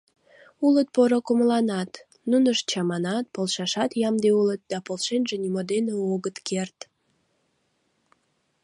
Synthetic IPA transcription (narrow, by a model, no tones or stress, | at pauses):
ulət̪̚poɾokuməlɑnɑt̪ | nunəʃt͡ɕɑmɑnɑt̪̚polʃɑʃɑt̪jɑmd̪eulət̪̚d̪ɑpolʃenʒenʲimod̪eneoɣət̪kert̪